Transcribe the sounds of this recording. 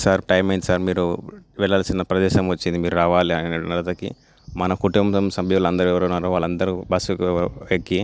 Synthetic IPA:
saːɾʈɐjmɐjint̪isaːɾmiːɾuʋɛɭːɐːlɐsinɐpɾɐd̪ɛːʃɐmʋɐt͡ʃːind̪imiːɾuɾaːʋaːliɐnnɐlɐt̪ɐkḭ | mɐnɐkuʈumɐmsɐmbʱiulɐnd̪ɐɾuɛʋɐɾɐnːaːɾuʋaːɭːɐnd̪ɐɾubɐsukekːi

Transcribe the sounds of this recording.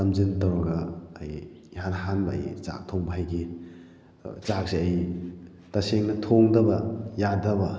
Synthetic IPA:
tɐmzintɐwɾaɡaːj | ɦanɦanbɐ̰ːjt͡ʃa̰k̚tʰoŋbʰʱajɡi | t͡ʃak̚siɐj | taseŋnɐtʰoŋdɐbɐjadɐbɐ

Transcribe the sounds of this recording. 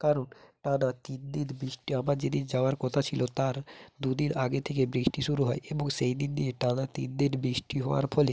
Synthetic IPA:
kaɾonʈanat̪it̪d̪iɾbɾiʃʈiabaɾd͡ʑid̪id͡ʑaoaɾkɔt̪ʰat͡ɕʰilot̪aɾd̪ud̪inaɡet̪ʰek̬ebɾiʃʈiʃuɾuɦɔeʔeboŋʃejd̪ind̪ieʈanat̪it̪d̪iɾbɾiʃʈiɦɔwa̰ɾpʰɔle

